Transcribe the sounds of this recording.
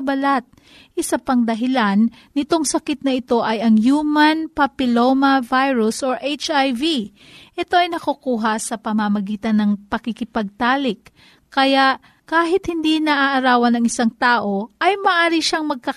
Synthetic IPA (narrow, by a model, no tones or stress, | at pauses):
bɐlat̪̚ | ʔɪsapɐŋd̪ɐɦɪlanː | ɪt̪o̞ŋsɐkɪt̪̚nɐʔɪt̪o̞ʔɐjɐŋjuːmɐnpɐpɪlomɐvajɹusʔoʔejt͡ʃajvi | ʔɛt̪o̞ʔɐjnɐkukuːɦɐsɐpɐmɐmɐɡiːt̪ɐnːɐŋpɐkɪkɪpɐɡ̚t̪aːlɪk | kːɐjaʔ | kaːɦɪt̪̚hɪnd̪inɐʔaʔɐɾaːwɐnɐŋɪsaŋt̪aːʔo̞ʔɐjmɐʔaːɾiʃaŋmɐɡ̚kɐ